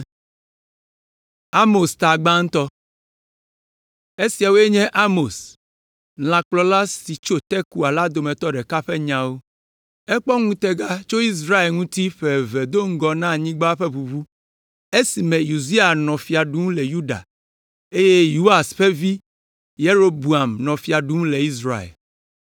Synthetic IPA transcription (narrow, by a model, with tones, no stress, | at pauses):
a˦mo˨st̪a˨ɡ͡bã˦ŋ̩̃˦t̪ɔ˦ | e˦si˨a˨wo˦e˦ɲɛ̃˦ʔa˦mo˨s | nl̃ã˨k͡plɔ˨˦la˦si˨t͡ʃo˦t̪ɛ˦ku˦a˨la˦d̪o˨mɛ̃˨t̪ɔ˦ɖɛ˨ka˦ɸɛ˦ɲã˨wo˦ | ɛ˦k͡pɔ˦ŋũ˦t̪ɛ˦ɡa˦t͡ʃo˦i˦s̬ɾa˦e˨lŋũ˦t̪i˦ɸɛ˨vɛ˨d̪o˦ŋ̩˦ɡɔ˨nã˦˨ɲĩ˦ɡ͡ba˦ɸe˦βu˨βu˦ | e˦si˨mɛ̃˨ju˨zi˦a˨nɔ̃˨fi˨a˨ɖu˦ŋũ˦le˨ju˦ɖa̰˨ | e˦je˦ju˦a˨sɸe˦vi˦ | je˦ɾo˦bu˨a˨mnɔ̃˨fi˨a˨ɖu˦ŋũ˦le˨i˦s̬ɾa˦˨ḛ˨l